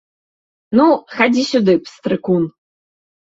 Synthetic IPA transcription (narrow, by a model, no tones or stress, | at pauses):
nuxad͡zʲisʲud̪ɨpst̪ɾɨkun